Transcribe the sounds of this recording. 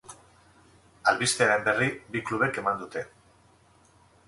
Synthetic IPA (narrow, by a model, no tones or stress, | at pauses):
alβist̪eaɾe̞mbe̞ribikluβ̞e̞ke̞mand̪ut̪e̞